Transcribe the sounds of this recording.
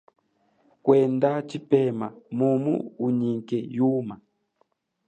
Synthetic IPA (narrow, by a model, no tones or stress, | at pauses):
kwɛndat͡ʃipɛmamumṵːɲiŋkɛjuma